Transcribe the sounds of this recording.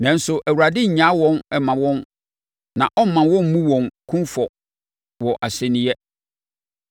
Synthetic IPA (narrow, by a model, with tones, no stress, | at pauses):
nã˨n̩˦sʊ˨ʔæ˨wu˨ɾa˨dɪ˦ɲ̩˨ɲã˨˦wɔ̃˦nɛ˨mã˨wɔ̃˦n | nã˨ʔɔ˦m˦mːã˨wɔ̃˦m˦mũ˦wɔ̃˨nkʰũ˦nfɔ˨ | wɔ˨ʔa˨sɛ˨nĩ˦jɛ˦